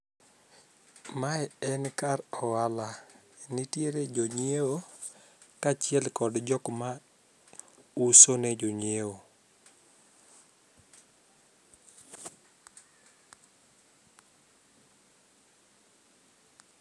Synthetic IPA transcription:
maɛɛnkaɾɔwala | nitjeɾed͡ʒoɲewo | kat͡ʃɪɛlkɔdd͡ʒɔkma | usoned͡ʒoɲewo

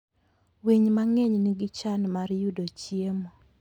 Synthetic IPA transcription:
wiɲmaŋeɲniɡɪt͡ʃanmaɾjudot͡ʃjiemo

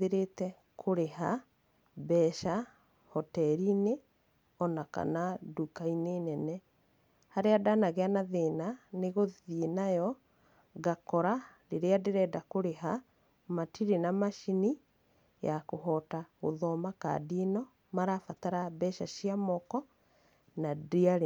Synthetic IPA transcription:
eɾetɛ | kʰoɾeɦa | bɛʃa | hɔtɛɾine | ɔnaka̰nadukaineːnɛnɛ | haɾeadanaɣeanaðeːnaneɣoðinajɔ | ɣakɔɾaɾeɾeadeɾɛːdakoɾeɦa | matiɾenamaʃini | jakoɦɔtaɣo̰ðɔmaka̰dinɔ | maɾafataɾabɛʃaʃiamɔkɔ | nadiaɾe

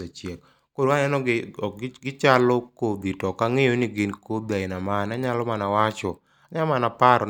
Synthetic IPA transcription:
at͡ʃjɛk | kodwaɲɛnɔ | ɡɪt͡ʃalɔkod̪itɔkaŋejonɪɡɪnkobaɪnamanaɲalɔmanawat͡ʃɔ | aɲamanapaɾɔ

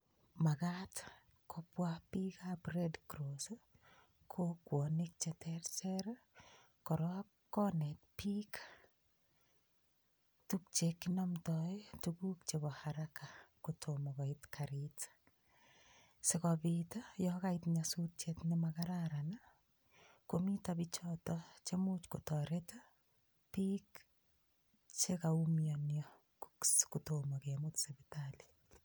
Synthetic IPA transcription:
makat | kʰopwapikaprɛdkɾoso | kʰokwonik̚t͡ʃetʰɛrsɛɾ | kɔɾɔ | kːɔnɛtpikḁ | tuk̚t͡ʃekːɪnɔmtɔjtuɡukt͡ʃebɔhaɾakakotʰomɔɡaitkʰaɾit | sekɔbitɔjɔkaitɲasutetnimakaɾaɾana | komitabit͡ʃɔtɔt͡ʃemut͡ʃkotɔɾeta | pik | t͡ʃekaumjɔnjɔ | kutomɔkemutsebitali̥

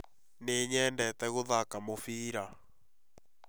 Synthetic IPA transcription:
neɲɛːndɛtɛɣoðakamofiːɾa

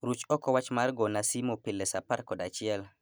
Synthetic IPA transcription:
ɾut͡ʃɔkɔwat͡ʃmarɡɔnasimopɪlːɛsaparkɔdat͡ʃɪɛl

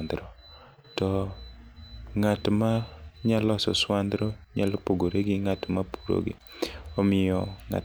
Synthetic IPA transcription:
nd̪ɾɔ | tɔ | ŋatmaɲalɔsɔ̰swand̪ɾɔɲalɔpoɡoɾeɡɪŋatmapu̥ɾo̰ɡɪ̰ | ɔmɪjɔŋa̰

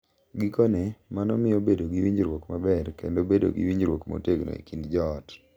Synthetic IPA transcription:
ɡikɔnemanɔmɪjɔbedoɡiwiɲd͡ʒɾwokmabɛrkḛndobedo̰ɡḭwiɲd͡ʒɾwokmo̰teɡno̰ḭkindd͡ʒɔt

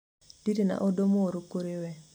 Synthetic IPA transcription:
d̥itina̰ʔodomoɾokoɾewɛ

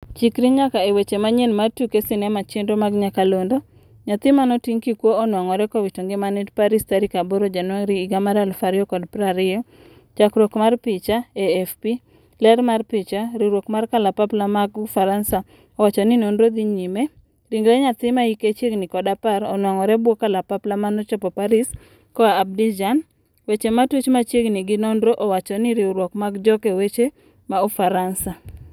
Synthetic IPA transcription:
t͡ʃikɾiɲakaewet͡ʃemaɲenmartukesɪnɛmat͡ʃendomaɡɲakalondo | ɲat̪ɪmanotiŋkikwoːnwaŋɔɾɛkɔwitoŋɡemanidpaɾistaɾikaboɾod͡ʒanwaŋɾiːɡamaɾalfaɾɪɔkɔdpɾaɾɪjɔ | t͡ʃakɾokmarpɪt͡ʃaeɛfpi | lɛɾmarpɪt͡ʃaɾiɾwokmarkalapaplamaɡfaɾansa | ɔwat͡ʃɔninondɾod̪iɲime | ɾiŋɡɾɛɲat͡sɪmaiket͡ʃjeɡnɪkɔdapaɾɔnwaŋɔɾɛbwokalapaplamanɔt͡ʃɔpɔpaɾis | kɔaːb̚did͡ʒan | wet͡ʃematut͡ʃmat͡ʃjeɡniɡɪnondɾoʔɔwat͡ʃɔnɪɾɪuɾwɔkmaɡd͡ʒɔkewet͡ʃe | maufaɾansa

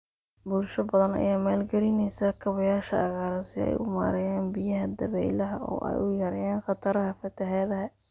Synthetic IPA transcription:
bʊlʃɐbɐðɐnɐ̰jaːmaːlɡɐɾɪnɛjsɐkʰɐβɐjaːʃɐɐɣaːɾɐsɪɛ̰jʊma̰ːɾɛjaːnbɪjɐɦɐd̪ɐβɛjlɐɦɐʔɔ̰ːʔɛ̰jʔʊjɐɾɐjaːnχɑt̪ʰɐɾɐɦɐfɐt̪ʰɐɦɛːðɐɦɐ

